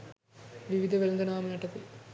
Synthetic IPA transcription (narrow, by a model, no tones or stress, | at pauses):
ʋiʋid̪ʱɐʋelnd̪ɐnaːmɐnɐʈːɐt̪ːi